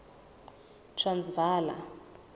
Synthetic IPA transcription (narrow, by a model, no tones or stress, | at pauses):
tʰrand͡zvaːla̰